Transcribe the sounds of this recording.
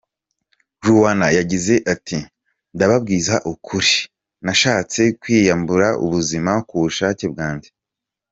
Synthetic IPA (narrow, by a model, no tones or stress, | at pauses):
ʒuwanajaɟize̞ʔatʰi | ndaβab̚ɡiːzaʔukʰuɾi | naʃaːt͡se̞kwiːjambuɾaʔṵβuzimakuβuʃaːce̞b̚ɡaːɲɟe